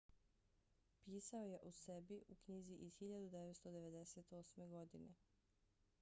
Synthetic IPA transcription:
piːsao̞je̞ʔuse̞biʔukɲiziʔiz̥xiʎad̪ud̪eʋet̪st̪od̪e̞ʋe̞d̪e̞set̪o̞ːsme̞ɡo̞d̪ine

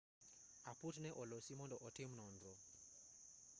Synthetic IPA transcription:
aputnɛʔɔlɔsimɔndɔʔɔtimnɔndɔ

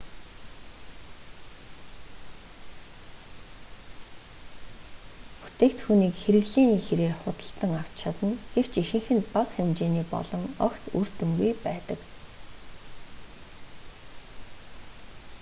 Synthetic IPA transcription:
pu̥t̪eːkt̪xuːniːkxeɾɘ̆ɣɮeːniːxeɾeːrχʊt̪ə̥̆ɬt̪ə̆ŋaw̥t͡ɕt͡ɕʰat̪ə̆nɡ̥ew̥t͡ɕixɘ̆ŋxɘ̆npakxemt͡ɕeːniːpɔ̰ɮɞ̆ŋœ̰kt̪ṵr̥t̪ɵ̆mɡujpæːt̪ə̆k

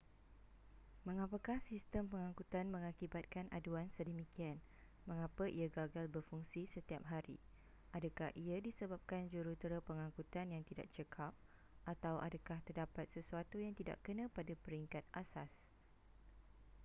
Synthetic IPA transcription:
mə̃ŋãpakahsist̪əmpəŋãŋkut̪anmə̃ŋakibat̪̚kanʔa̰duansədəmikian | mə̃ŋapəʔiaɡaɡalbərfuŋsisət̪iap̚ɦaɾḭ | ʔadakahʔiadisəbap̚kand͡ʒuɾut̪əɾəpəŋãŋkut̪anjaŋt̪ida̰ʔt͡ʃəkʰap̚ | ʔat̪awʔa̰dakaht̪ərdapat̪̚səsuat̪ujaŋt̪ida̰ʔkənə̃padapəɾiŋkat̪̚ʔasas

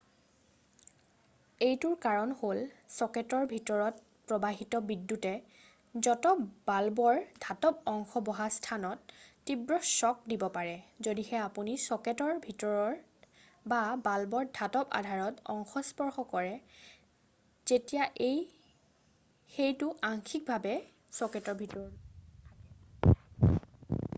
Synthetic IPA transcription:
ejtʊɹkaɹɔnholsɔkɛtɔɹbʱitɔɹɔt̚ | pɹɔbaɦitɔbidːutɛ | zɔtɔbalbɔɹdʱatɔp̚ɔŋxɔbɔɦastʰanɔtːibɹɔsɔk̚dibɔpaɹɛzodixɛapunisɔketɔɹbʱitɔɹɔɹ | babalbɔɹdʱatɔpa̰dʱaɹɔtɔ̰ŋxɔspɔɹxɔkɔɹɛ | z̥etijaʔej | xejtʊʔaŋxʰik̚bʱabɛ | sɔketɔɹbʱitɔɹɔ

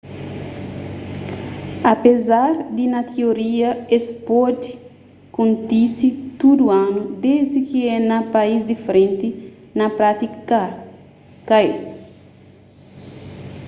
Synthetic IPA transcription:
ɐpezaɾd̪inɐt̪ʰioɾiɐespod̪i | kõnt̪isit̪ud̪uanud̪ezd̪ikiɛnɐpaizd̪ifɾẽnt̪i | nɐpɾat̪ik | kae

